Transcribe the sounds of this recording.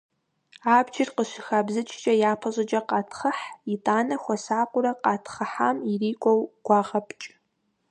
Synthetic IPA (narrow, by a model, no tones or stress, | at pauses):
aːbd͡ʒɪrqəʃɪxaːbzɨt͡ʃʼʰt͡ʃʼɐjaːpʰɐʑʼɐt͡ʃʼɐqɑːtʰχəħitʼaːnɐxʷɔsaːqʷʼʊɾɐqɑːtʰχəħaːmiriːkʷʼɔwɡ̥ʷɑːʁɐpʰʼt͡ʃʼ